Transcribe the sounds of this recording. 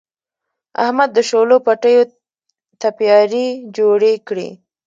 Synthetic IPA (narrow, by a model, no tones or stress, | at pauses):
a̰hmad̪ːəʃolopaʈəjo | t̪apjɑɾid͡ʒoɽekɽḭ